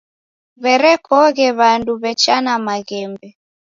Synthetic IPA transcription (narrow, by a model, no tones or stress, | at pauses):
βɛɾɛkɔɣɛβanduβɛt͡ʃanamaɣɛmbɛ